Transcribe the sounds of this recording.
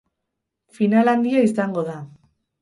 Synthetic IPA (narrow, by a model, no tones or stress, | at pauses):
finaland̪iaisaŋɡo̞ða